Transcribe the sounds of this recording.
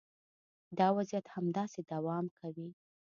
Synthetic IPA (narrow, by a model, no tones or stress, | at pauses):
d̪ɑwazijat̪hamd̪ɑsed̪awɑmkʰawi